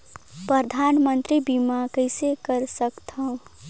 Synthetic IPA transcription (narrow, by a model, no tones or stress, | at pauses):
pɾəd̪ʱaːnmə̃nt̪ɾibimakəɪsekəɾsəkt̪ɦə̃